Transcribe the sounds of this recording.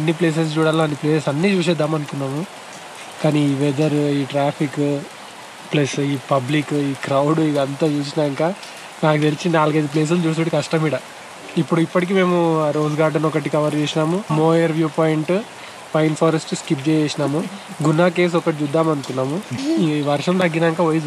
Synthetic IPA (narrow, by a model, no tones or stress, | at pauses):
ɐnːiple̞ːs̬ɐst͡ʃuːɽaːliaːnːipleːsesɐnːiːt͡ʃuːs̬ɛd̪ːaːmɐnukunːaːmu | kaːniʋɛd̪ɐɾiːʈɾaːpʰik | plɐsiːpɐblikiːkɾɐwɽid̪ɐnt̪at͡ʃuːs̬inaːŋkaː | naːkut̪elit͡ʃinaːlɐɡɐjd̪ip̬leːs̬und͡ʒuːs̬t̪uʈikɐʂʈɐmiːɽɐ | ipːuɽuipːɐʈik̬iːme̞ːmuɾoːzɡaːɖɐnɔkɐʈ̬ikɐʋɐɾt͡ʃeːsinaːmumoːjɐɾʋjuːpoːjiɳʈ | pɐjnpʰoːɾesʈskip̚t͡ʃeːjeːsinaːmuɡunːaːke̞ːs̬ɔkɐʈit͡ʃud̪ːaːmɐnukunːaːmuiʋɐɾʂɐmt̪ɐɡːinaːŋkaːʋɐjs